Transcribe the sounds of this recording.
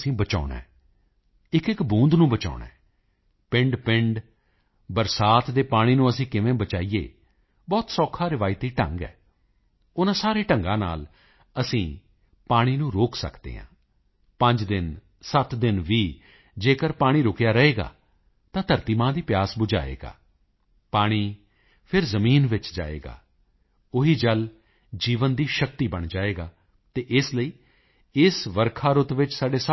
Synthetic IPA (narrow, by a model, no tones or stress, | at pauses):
sĩːbət͡ʃa̰ːna̰ː | ɪkɪkbũːnd̪nũːbət͡ʃa̰ːʊɳã̰ː | pɪ̃ɳɖpɪɳɖ | bəɾsaːt̪d̪eːpaːɽ̃iːnũːəsĩːkɪʋẽːbət͡ʃaːiːḛː | bɔːt̪sɔːkʰaːɾɪʋaːit̪iːʈə̰̃ŋɡɛ̰ː | ʊnãːsaːɾeːʈəŋɡãːna̰ːl | əsĩː | paːɽ̃iːnũːɾoːksə̰kd̪ḛːɦã̰ː | pəɲd͡ʒd̪ɪn | sət̪d̪ɪnʋiː | d͡ʒeːkəɾpaːɽ̃iːɾʊkjaːɾəeːɡa̰ː | t̪ãːt̪əɾt̪iːmãːd̪iːpjaːsbʊd͡ʒa̰ːḛːɡa̰ː | paːɽ̃iː | pʰɪɾzəmiːnʋɪt͡ʃd͡ʒa̰ːḛːɡa̰ː | ʊɦiːd͡ʒəl | d͡ʒiːʋənd̪iːʃək̚t̪iːbəɳ̃d͡ʒaːeːɡaː | t̪eːʔɪsləiː | ɪsʋəɾkʰaːɾʊt̪ʋɪt͡ʃsaːɖeːs